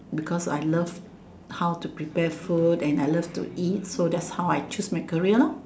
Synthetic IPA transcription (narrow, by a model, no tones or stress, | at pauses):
bikʰɔsa̰jləv | hawtupɹipɛfutɛ̃najləftṵʔit̚sodɛtshawajt͡ʃusmajkəɹiəla